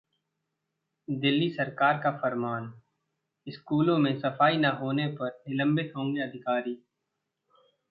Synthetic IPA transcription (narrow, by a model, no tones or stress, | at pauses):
d̪ɪlːisɐɾkaːɾkafɐɾmaːn | ɪskuːlõmẽsɐfaːinaɦoːnepɐɾnɪlə̃mbɪt̪ɦõːŋɡeɐd̪ʱɪkaːɾiː